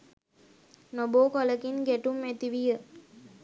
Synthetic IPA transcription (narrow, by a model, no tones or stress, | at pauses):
noboːkoləkinɡæʈumæt̪iʋijə